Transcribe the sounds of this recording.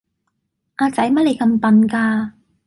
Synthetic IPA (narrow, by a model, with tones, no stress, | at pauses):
ʔaː˧t͡sɐ˨˥jmɐ˥le˨˧jkɐ˧mpɐ˨nkaː˧